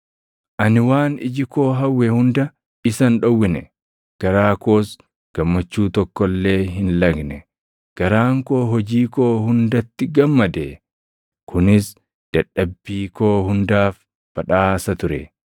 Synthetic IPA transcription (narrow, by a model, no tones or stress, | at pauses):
ʔɐnɪwaːnɪ̰d͡ʒɪko̞ːɦɐwːɛhʊnd̪ɐ | ɪsɐnᶑɔwːɪnɛ̰ | ɡ̥ɐɾaːko̞ːs | ɡ̥ɐmːɐt͡ʃːuːt̪ɔkːɔlːe̞ːɦɪnlɐɡnɛ | ɡ̥ɐɾaːŋko̞ːɦɔd͡ʒiːko̞ːhʊnd̪ɐt̪ːɪɡɐmːɐd̪e | kʰʊnɪs | d̪̥ɐᶑɐbːiːkoːhʊnd̪aːf | b̥ɐᶑaːsɐt̪ʊɾɛ̰